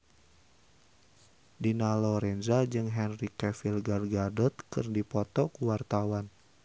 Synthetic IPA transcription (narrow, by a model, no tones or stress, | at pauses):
dinalɔɾɛnzad͡ʒɨŋɦɛnrikɛfilɡarɡadɔt̪̚kɨrdipɔt̪ɔkuwart̪awan